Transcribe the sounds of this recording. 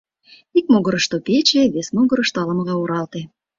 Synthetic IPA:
ik̚moɣəɾəʃt̪opet͡ɕeβesmoɣə̆ɾəʃt̪oɑləməɣɑoɾɑlt̪e

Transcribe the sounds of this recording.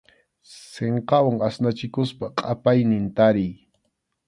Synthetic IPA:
seɴqɑwaŋasnat͡ʃɪkʊspaqʼapajnɪnt̪aɾɪj

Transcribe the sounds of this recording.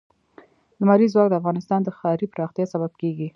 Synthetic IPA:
d̪əmɑlizwɑk̚d̪əafɣɑnɪst̪ɑnd̪əxɑɾipəɾɑxt̪jɑsabab̚keɡi

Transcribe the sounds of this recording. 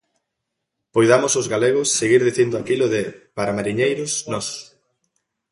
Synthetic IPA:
pojðamʊsʊzɣaleɣ̞ʊsːeɣiɾðiθind̪ʊakilʊðɪpaɾamaɾiɲejɾʊsnɔs

